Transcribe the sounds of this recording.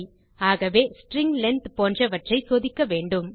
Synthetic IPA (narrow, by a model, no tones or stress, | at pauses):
aːɣɐʋeːsʈɾɪŋɡlɛnt̪poːndrɐʋɐʈrɐɪsoːðɪkːɐʋeːɳɖɯm